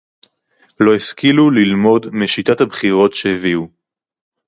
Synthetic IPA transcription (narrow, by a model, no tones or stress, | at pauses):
lo̞eskilulilmo̞dmiʃitathabχiʁo̞tʃeheviu